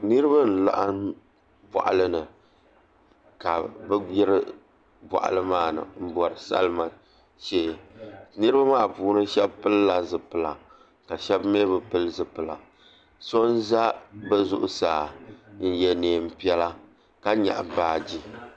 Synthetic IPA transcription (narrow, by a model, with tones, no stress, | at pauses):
nɨ˦ɾɨ˦ba˦n̩˨la̰˦ʔa˦n | bɔ̰˨ʔa̰˨lɨ˦nɨ˨ | ka˨bɨ˦ɡ͡bɛ˦ɾɨ˦ | bɔ̰˨ʔa̰˨lɨ˦maː˦˨nɨ̰˨m̩˦bɔ˨ɾɨ˨sa̰˦lma˨ | ʃeː˦nɨ˦ɾɨ˦ba˦maː˦˨puː˦nɨ˦ʃɛ˦bpɨ˦lla˨zɨ˨pɨ˨la˨ | ka˨ʃɛ˦bmeː˦bɨ˨pɨ˦lzɨ˨pɨ˨la̰˨ | so˦nza˦bɛ˦zʊ˦ʔʊ˦saː˨n̩˦jɛ˦neː˨m̩˦pi˦ɛ˦la˦ | ka˦ɲa̰˨ʔbaː˨d͡ʒi˦